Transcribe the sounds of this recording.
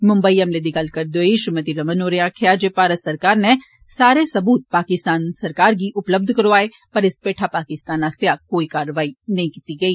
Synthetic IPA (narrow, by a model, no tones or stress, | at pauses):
mʊ̃mbəiɐmled̪ikɐlkɐɾd̪oiʃmɐt̪iɾɐmənoːɾejãkʰejaːd͡ʒepaːɾəsɐɾkaːɾne | saːɾesɐbuːt̪̚paːkɪst̪aːnsɐɾkaːɾɡiʔʊpləb̚d̪ʱkɐɾoaːe | pɐɾɪspeːʈʰapaːkɪst̪aːnaːsjaːkoːikaːɾəʋaːinɐɦĩkiːt̪iɡɐiː